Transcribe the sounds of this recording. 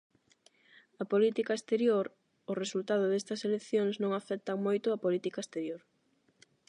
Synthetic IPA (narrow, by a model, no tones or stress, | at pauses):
ɐpolit̪ikaest̪eɾjoɾ | ʊresult̪að̞ʊðest̪ɐselekθjoŋznõŋafɛk̚t̪aŋmojt̪ʊapolit̪ikaest̪eɾjoɾ